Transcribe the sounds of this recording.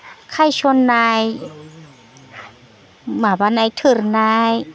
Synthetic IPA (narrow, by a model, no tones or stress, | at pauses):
kʰajsʰonːaːj | maːbanajt̪ʰɯɾnaːj